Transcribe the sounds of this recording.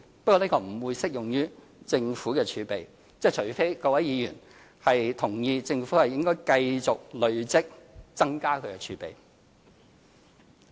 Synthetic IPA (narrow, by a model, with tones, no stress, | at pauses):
pɐ˥t̚kɔː˧niː˥kɔː˧m̩˨˩wuː˨˧jsɪ˥k̚jʊ˨ŋjyː˥ | t͡sɪ˧ŋfuː˨˥kɛː˧t͡ʃʰyː˨˧˥pe˨j | t͡sɛː˥˩t͡ʃʰɵ˨˩ɥfe˥kɔː˧kwɐ˨˥jiː˨˧jy̰ː˨˩n | hɐ˨jt̪ʰʊ˨˩ŋjiː˧t͡sɪ˧ŋfuː˨˥hɐ˨jɪ˥ŋkɔː˥jkɐ˧jt͡sʊ˨k̚lɵ˨˧ɥt͡sɪ˥k̚t͡sɐ˥ŋkaː˥kʰɵ˨˧ɥkɛː˧t͡ʃʰyː˨˥pḛ˨j